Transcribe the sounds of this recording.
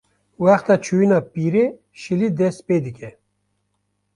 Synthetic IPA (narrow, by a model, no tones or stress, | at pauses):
waxt̪at͡ɕʰuinapiɾe | ɕilid̪esped̪ikʲe